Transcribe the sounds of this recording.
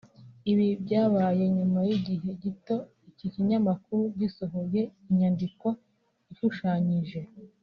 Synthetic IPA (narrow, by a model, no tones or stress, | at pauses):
iβibɟaːβaːje̞ɲumajiɟiɦe̞ɟito̞ | iciciɲamakuɾuɟisoɦoje̞iɲandiko̞ | iʃuʃaːɲiʒe̞